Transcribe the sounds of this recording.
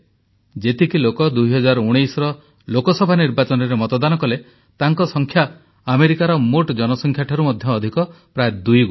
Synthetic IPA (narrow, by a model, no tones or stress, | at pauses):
d͡ʒet̪ikilokɔd̪ujɦɔd͡ʒaɾuɽ̃ejsɔɾɔ | lokɔsɔbʱaniɾbat͡ʃɔnɔɾemɔt̪ɔd̪anɔkɔle | t̪aŋkɔsɔŋkʰjaː | meɾikaɾɔmoʈd͡ʒɔnɔsɔŋkʰjaʈʰɔɾumɔd̪ʱjɔːd̪ʱikɔ | pɾajed̪ujɡu